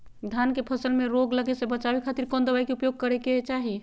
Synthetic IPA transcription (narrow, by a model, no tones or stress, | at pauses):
d̪ʱjankepʰəsəlmeɾoɡləɡesẽbət͡ʃabekʰat̪iɾkond̪əbajkeupjoɡ̚kəɾeket͡ʃaɦi